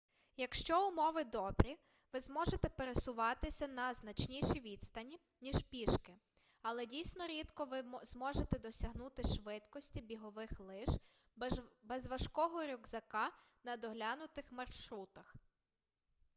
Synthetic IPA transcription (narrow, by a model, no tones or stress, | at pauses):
jɐkʃt͡ʃɔʊmɔʋɪd̪ɔbɾʲi | ʋɪzmɔʒet̪ɛpeɾesʊʋɑt̪ɪsʲɐnɐznɐt͡ʃnʲiʃiʋʲid̪st̪ɐnʲi | nʲiʒpʲiʃkɪ | ɐlˠɛdʲijsʲnɔɾʲid̪kɔʋɪzmɔʒet̪ɛd̪ɔsʲɐɦnut̪ɪʃʋɪt̪kɔsʲtʲibʲiɦɔʋɪxlˠɪʒ | bɛzʋɐʃkɔɦɔɾʲʊɡzɐkɑ | nɐd̪ɔɦlʲanʊt̪ɪxmɐrʃɾut̪ɐx